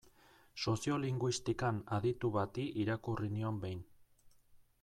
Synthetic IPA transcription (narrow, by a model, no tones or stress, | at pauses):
so̞sio̞liŋɡwist̪ikanaðit̪uβat̪iʔiɾakurinio̞mbejn